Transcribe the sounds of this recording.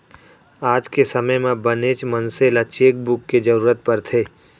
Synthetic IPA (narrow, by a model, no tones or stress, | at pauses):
aːd͡ʒkesəməjmẽbəneːt͡ʃmə̃nseːlat͡ʃeːk̚bʊkːed͡ʒəɾuːɾət̪̚pɐɾt̪ʰeː